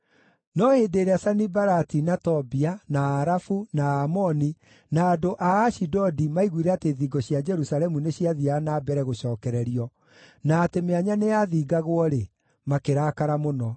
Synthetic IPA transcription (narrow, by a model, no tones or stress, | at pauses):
nɔhedeːɾeasanibaɾatinatɔbianaːɾafunaamɔni | naːdoʔaːʃidɔdimaiɣwiɾɛateːðiːɡɔɕjad͡ʒɛɾusalɛmuneɕiaðianaːbɛɾɛɣoɕɔːkɛɾɛɾiɔ | naːtemeaɲanejaðiːɡaɣwɔɾe | makeɾaːkaɾamonɔ